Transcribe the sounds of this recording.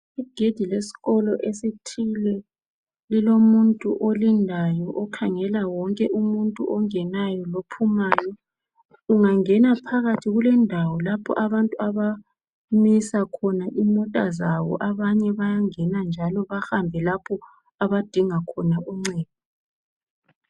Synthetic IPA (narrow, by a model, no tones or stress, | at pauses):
iɡ̥ʱed̥ʱilesi̥ɣɔlɔʔesitʰilɛ | lilomuntʼuʔolindʱajɔʔɔkʰaŋɛlawɔŋkʼɛʔumuntʼuʔɔŋɛnajɔlopʰumaːjɔ | uŋaŋɛnapʰaɣatʰiɣulɛndʱawɔlapʰɔ̰ʔaβantʼuaβa | misakʰɔnaʔimɔtʼa̰zawɔ̰ʔaβaɲɛβajaŋɛnand͡ʒʱalɔβahambʱɛlapʰɔ | aβad̥ʱiŋakʰɔnauŋ͡ǀɛːd̥̚ʱi